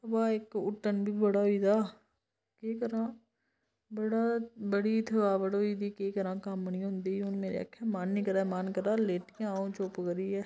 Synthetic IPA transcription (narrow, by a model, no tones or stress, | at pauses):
baːeːkʊʈːənbʱiːbəɽaɦoiːd̪aː | keːkəɾãː | bəɽaːbəɽiɪt̪ʰəʋaːʋəɽoiːd̪iːkeːkəɾãːkaməniɦʊ̃ːnd̪iːʊnmeːɾḛə̰kʰːẽːmaːnnikəɾaːmaːnkəɾaːleːʈkãõːt͡ʃoːpɡəɾiːɛː